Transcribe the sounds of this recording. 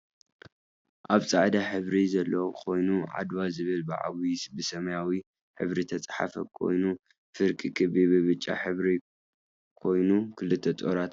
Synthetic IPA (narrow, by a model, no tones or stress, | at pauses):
ʔaβt͡sʼa̰ʕd̪aħɨβɾizɐlːɐwkʰo̞jnuʕa̰d̪wazɨβɨlbɨʕa̰wjsbɨsɐmɐjawi | ħɨ̰βɾit̪ʰɐt͡sʼħa̰fɐkʰo̞̰jnu | fɨɾkʼikʰɨbiβɨβɨt͡ʃʼːa̰ħɨβɾi | kʰo̞jnukʰɨlɨt̪ʰːɐt̪ʼoɾat̪